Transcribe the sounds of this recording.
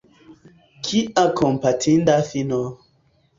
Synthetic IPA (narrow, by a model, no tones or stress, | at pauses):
kʰiakʰɔmpatʰindafinɔ